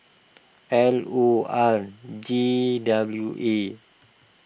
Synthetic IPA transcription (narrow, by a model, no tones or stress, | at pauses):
ʔɛloard͡ʒidabljuʔe